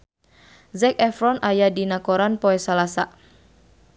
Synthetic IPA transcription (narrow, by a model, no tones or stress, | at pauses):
zɛkɛfɾɔnʔajadinakoɾanpoɛsalasa̰ʔ